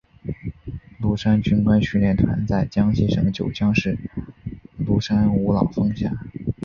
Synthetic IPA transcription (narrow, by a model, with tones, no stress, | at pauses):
lu˥˩ʂa˥nt͡ɕy˥nkwa˥nɕy˥˧ljɛ˥˩nt̪ʰwa̰˧˥nt͡sa˥˩ɪt͡ɕjɑ˥ŋɕɛ˥˩ʂɤ˨˩ŋd̪ə˧t͡ɕjo˨˩ʊt͡ɕjɑ˥ŋʂɻ̩˥˩ | lu˥˩ʂa˥nu˧˥lɑ̰˨˩ʊfɤ˥˧ŋɕja̰˥˩